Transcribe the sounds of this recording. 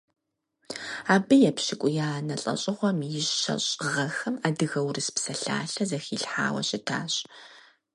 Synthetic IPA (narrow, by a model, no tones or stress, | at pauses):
aːbɐjɛpɕɪkʷʼʊjaːnɐɬʼɐ̰ɕʼɪʁʷɔmjɪɕɕɐ̰ɕʼʁɐxɐmaːdɨɣɐwrɨspsɐɬa̰ːɬɐzɐxiːɬħa̰ːwɐ̰ɕɪtʰa̰ːɕʼ